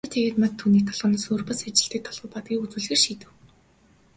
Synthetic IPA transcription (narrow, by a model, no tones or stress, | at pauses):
t̪ʰeɣeːt̪mat̪t̪ʰːuːniːk̚t̪ʰɔɮʁɞ̆naːsoːrpə̆sat͡ɕɪ̆ɬt̪iːk̚t̪ʰɔɮʁ̥ɞ̆wpɔt̪̚ɡʲiːkut͡swɘːɮɣeːrʃiːt̪ɘ̆w